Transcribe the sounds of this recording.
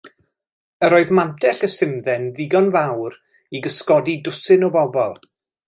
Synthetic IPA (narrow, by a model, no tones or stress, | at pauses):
əɾɔɨðmantʰɛɬəsɪmðɛnðɪɡɔnvawɾ | iɡəskɔdidʊsɨnɔbɔbɔlˠ